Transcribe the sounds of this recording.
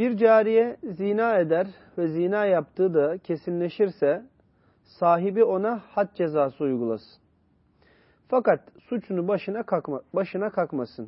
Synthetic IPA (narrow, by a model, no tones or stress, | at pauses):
biɾd͡ʒaːɾijɛzinaːe̞d̪æɾ | vɛzinaːjap̚t̪ʰɯːd̪acʰe̞sinlʲe̞ʃiɾsɛ | saːɦibio̞nahat̪̚d͡ʒe̞zaːsɯujɡulˠasɯ̥n | fakat̪sut͡ʃʰunuɯnabaʃɯnakʰakmasɯn